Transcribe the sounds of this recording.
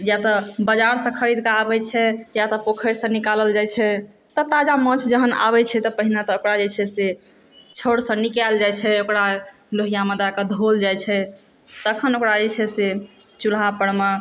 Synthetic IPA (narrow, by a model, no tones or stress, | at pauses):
jat̪ɔbəd͡ʒaɾsə̃kʰəɾid̪keabɛt͡ʃʰɛjat̪ɔpokʰəɾsə̃nikaləld͡ʒajt͡ʃʰɛ | t̪ɔt̪ad͡ʒamə̃t͡ʃʰd͡ʒəɦəna̰βɛt͡ʃʰɛt̪ɔpəɦinat̪ɔokɾad͡ʒet͡ʃʰɛse | t͡ʃʰoɽsə̃nikald͡ʒajt͡ʃʰɛokɾa | loɦijaməd̪aked̪ʱold͡ʒajt͡ʃʰɛ | t̪əkʰənokɾad͡ʒet͡ʃʰɛset͡ʃulɦapəɽma